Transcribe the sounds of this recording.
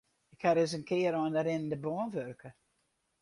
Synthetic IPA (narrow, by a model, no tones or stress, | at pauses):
ɪkhaɾɪzənkʰɪːəɾɔndəɾɪndəbɔːnvørkə